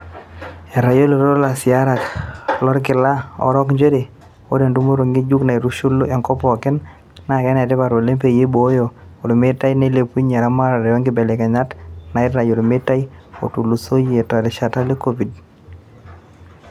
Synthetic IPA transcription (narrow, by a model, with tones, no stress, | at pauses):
ɛ˨ɾa˨jo˦lo˨ɾo˦ɾo˦la˨sɪ˨a˦ɾa˨klɔ˦ɾkɪ˨la˦ɔ̰˨ɾɔ˦kɲd͡ʒe˦ɾe˨ | o̰˦de˨ndu˦mo˦ɾo˨ŋi˦d͡ʒu˦kna˨i˨ɾu˦ʃu˦lo˦ɛ˨ŋkɔ˦pɔ˨kɪ˦n | na˨kɛ˦nɛ˨te˦pa˨ɾo˨le˦mpe˨je˦bo˨˦jo˨o˨ɾme˦ta˦ine˦le˨pu˦ɲɛ˨ɾa˦ma˦ɾa˨ɾɛ˨jɔ˦ŋɡɪ˦bɛ˨le˨kɛ˨ɲa˦tna˨ɪ˦rɾa˨jo˨ɾme˦ta˦i˦o̰˨tu˨lu˨so˦je˨ta˨ɾɪ˨ʃa˨ta˦le˦ko˦bi˨d